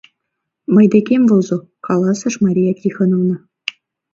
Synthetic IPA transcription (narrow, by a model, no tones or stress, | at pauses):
mɤ̆jd̪ekʲemʲvolˠzŏ | kɑlˠɑsɤ̆ʂmɑɾʲijakʲixɤ̆nɤ̆ʋnɤ̆